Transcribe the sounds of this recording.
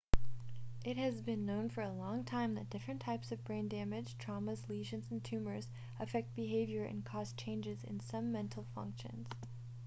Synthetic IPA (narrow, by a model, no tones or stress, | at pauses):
ʔɪt̚hɨzbɨ̃nːõʊ̃nfə˞ɨlɔ̃ŋtʰãɪ̃mðɨt̚d̥ɪfɹɨ̃ntʰaɪpsʌvbɹẽɪ̃ndæmɨd̥ʒ̥tʰɹ̥ɑməzliʒɨ̃nz̃n̩tʰʉmə˞z | ɨfɛk̚t̚b̥ɨɦeɪvjə˞ʔɨ̰̃nkʰɔst͡ʃʰẽɪ̃nd͡ʒɨzɨ̰̃nsʌ̃mɛ̃ntʰˡl̩ˠfʌ̰̃ŋkʃɨ̰̃nz̥